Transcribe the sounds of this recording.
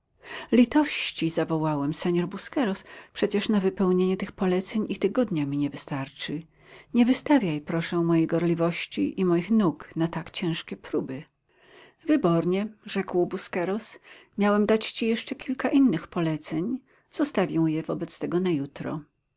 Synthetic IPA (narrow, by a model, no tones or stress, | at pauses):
lʲit̪ɔɕt͡ɕizavɔwawɛmsɛɲɔɾbuskɛɾɔspʂɛt͡ɕɛʂnavɘpɛwɲeɲɛt̪ɘxpɔlɛt̪sɛɲʔit̪ɘɡɔd̪ɲamʲiɲɛvɘst̪aɾt͡ʂɘ | ɲɛvɘst̪avʲjajpɾɔʂɛwmɔjejɡɔɾlʲivɔɕt͡ɕḭʔimɔjixnuknat̪akt͡ɕɛ̃w̃ʂkʲɛpɾubɘ | vɘbɔɾɲɛʐɛkwbuskɛɾɔsmʲjawɛmd̪at͡ɕt͡ɕijɛʂt͡ʂɛkʲʰilkaʔinːɘxpɔlɛt̪sɛɲ | z̥ɔst̪avʲjɛw̃jɛvɔbɛt̪st̪ɛɡɔnajut̪ɾɔ̰